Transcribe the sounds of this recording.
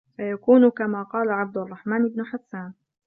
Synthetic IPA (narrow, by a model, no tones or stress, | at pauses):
fajakuːnʊkamaːqɑːlaʕab̚d̪ʊrˤːɑħmaːnʔɪbnʊħasːaːn